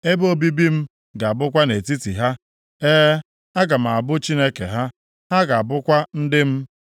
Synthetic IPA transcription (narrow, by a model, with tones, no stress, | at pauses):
e˦bo˦bi˦bi˦m̩˦ | ɡa˨a˨bʊ˦k̬ʷa˦ne˨ti˦tḭ˨ɦa˦ | eː˦ | a˦ɡa˨m̩˨a˨bʊ˦t͡ʃi˦ne˦kḛ˨ɦa˦ | ɦa˦ɡa˨a˨bʊ˦kʷa˦n̩˦dɪ˦m̩˦